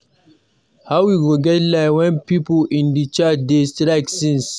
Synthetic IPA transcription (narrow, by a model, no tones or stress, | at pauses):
hawwiɡoɡɛtlaɪwɛ̃npiːpʊʔɪ̃ndit͡ʃat͡ʃdestɾaɡsɪ̃ns